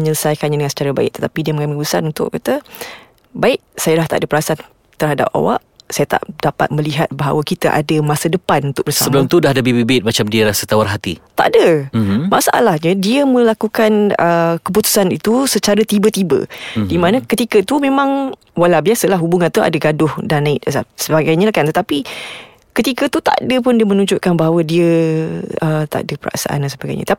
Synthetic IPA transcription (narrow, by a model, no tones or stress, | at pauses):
əɲələsajkanɲadəŋansə̥t͡ʃaɾaba̰ɪ̰ʔ̚t̪ət̪apidiəməŋamikput̪usanunt̪ʊ̰ʔkat̪ə | baɪʔ̚sajəlaht̪a̰ʔadəpəɾasan | t̪ərhada̰p̚a̰wa̰ʔsajat̪a̰ʔdapa̰t̪̚mə̃liɦat̪̚baɦa̰wakit̪aʔa̰dəmasadəpanunt̪ʊk̚bərsaəbəlʊmt̪udahdəbibibɪt̪̚mat͡ʃamdiəlahsət̪awarɦat̪ḭt̪a̰ʔdəmasaʔa̰lahɲə̃diəmə̃lakukanəkəp̬ut̪u̥sanit̪usət͡ʃaɾət̪ibət̪ibə̰dimanəkət̪ikət̪umẽmãŋ | walabiasəlaɦubuŋãnt̪ua̰dəɡadʊhdanːaɪt̪̚əsa̰səbaɡajɲəlahkant̪ət̪api | kət̪ikət̪ut̪a̰dəp̬ʊndiəmənuɲd͡ʒʊʔ̚kanbaɦawədiə | ət̪a̰ʔdəpəɾa̰ʔsa̰ʔa̰ndansəbaɡa̰jɲə̰t̪a